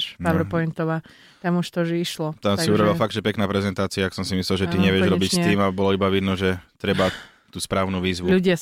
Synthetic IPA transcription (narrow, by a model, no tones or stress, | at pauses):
ʃpaʋɾpɔnt̪ɔʋaː | t̪amuʃt̪ɔʒɛiʃlɔt̪amsiuɾɔbilafaɡ̚d̪ʒɛpɛknaːpɾɛzɛnt̪aːt͡siaaksɔmsimislɛlʒɛt̪iɲɛʋɪɛʒɾɔbicst̪iːmalɛbɔlɔibaʋid̪nɔʒɛt̪ɾɛba | t̪uːspɾaːʊnuʋiːzʋuluɟɪa